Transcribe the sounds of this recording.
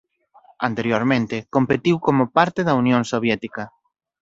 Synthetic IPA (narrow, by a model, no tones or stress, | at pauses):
ant̪eɾjoɾmẽnt̪ekompet̪iwkomopaɾt̪eðɐunjõŋsoβ̞jɛt̪ikɐ